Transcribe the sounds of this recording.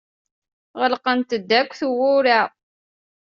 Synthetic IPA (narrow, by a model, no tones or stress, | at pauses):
ʁəlqənt̪əd̪ːækʷːθuwʊɾa